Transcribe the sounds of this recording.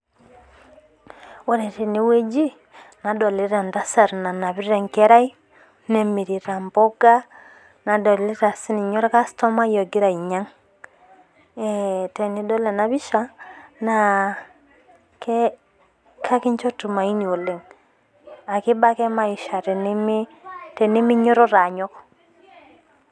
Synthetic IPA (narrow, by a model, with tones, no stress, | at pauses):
wɔ˦ɾɛ˨te˨ni˨˦we˦d͡ʒi˦ | na˨dɔ˨le˦ɾa˨nda˦sa˨ɾna˨na˨βi˦ɾɛ˨ŋkɛ˦ɾa˦i˦ | nɛ˨mi˨ɾi˨ɾa˨mbɔ˦ɡa˦ | na˨dɔ˨le˦ɾa˨si˦ni˨ɲɔ˦ɾɛ˦ka˦stɔ˦ma˦jɔ˨ɡi˦ɾa˨i˨ɲa˦ŋ | ɛtɛ˨ni˦dɔ˦lɛ˨na˨βi˦ʃa˦na˨ | kɛ˦ | kʰa˦ki˦ɲt͡ʃɔ˦tu˨ma˨i˦ɲo˨le˨ŋ | a˨ki˦ba˦kɛ˦ma˦i˨ʃa˨ɾɛ˨ni˦mi˦tɛ˨ni˦mi˦ɲɔ˦ɾɔ˦ɾa˨ɲɔ˦kɔ̥